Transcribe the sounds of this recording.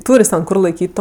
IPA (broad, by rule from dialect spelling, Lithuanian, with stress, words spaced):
ˈtuːrʲ jɪs tʲɛn ˈkʊr lˠɐɪˈkʲiːtʲ ˈtoː